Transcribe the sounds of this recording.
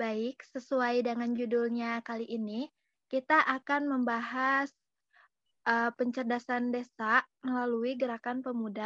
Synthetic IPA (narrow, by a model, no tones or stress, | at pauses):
baɪk̚səsuajdəŋand͡ʒudʊlɲakaliʔːni | kit̪aʔakanməmbaɦas | ʔəpəɲt͡ʃərdasandesaʔməlaluiɡəɾakanpəmuda